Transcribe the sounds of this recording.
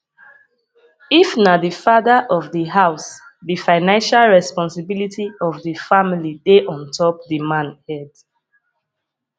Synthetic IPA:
ifnadifaðaʔɔvðiɦaʊsðifãɪnãnʃalɹɛspɔ̃nsibilitʰiɔvðəfamilideʔɔ̃ntʰɔp̚dimãnhɛd

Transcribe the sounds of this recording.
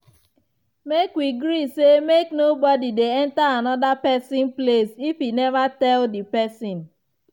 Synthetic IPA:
mekwiɡɾisemeknobɔdideɛ̃ntaanɔdapɛsĩnplesifinɛvatɛldipɛsĩn

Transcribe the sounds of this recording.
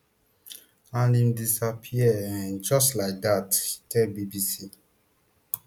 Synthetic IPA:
anĩmdisapʰiɛɛ̃nd͡ʒɔstlaɪk̚dattʰɛlbibisi

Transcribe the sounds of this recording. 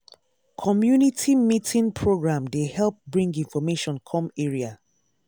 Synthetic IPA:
kʰɔmjunitʰimitʰĩnpʰɹoɡɹãmdehɛlˠp̚bɹĩŋɡĩnfɔmeʃɔ̃nkʰɔ̃meɹia

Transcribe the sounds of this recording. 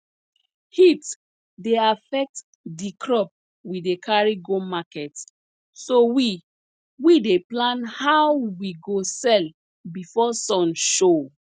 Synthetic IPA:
hit | deafɛk̚t | dikʰɹɔp̚ | widekʰaɹiɡõmakɛt | sowi | wideplãnhawwiɡosɛl | bifɔsɔ̃nʃo

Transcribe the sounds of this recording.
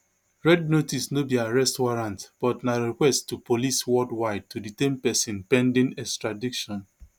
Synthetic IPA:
ɹɛd̚notisnobiaɹɛstwaɹãntb̥ɔtnaɹikwɛsttːupʰoliswɔdwaɪd̚tuditẽnpɛsĩnpɛ̃ndĩnɛkstɹadikʃɔ̃n

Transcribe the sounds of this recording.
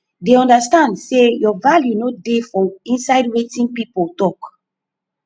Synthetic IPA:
deɔ̃ndastãndsejɔvaljunodefɔĩnsaɪdwetĩnpipoltɔk

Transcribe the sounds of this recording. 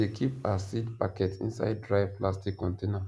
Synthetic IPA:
ekʰipasitpakɛtḭ̃nsa̰ɪd̚dɹaɪv̥plastikːɔ̃ntẽna

